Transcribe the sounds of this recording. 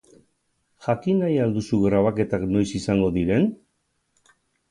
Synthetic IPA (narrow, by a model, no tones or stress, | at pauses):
ʝakinajald̪usuɣɾaβ̞ake̞t̪akno̞jsisaŋɡo̞ðiɾe̞n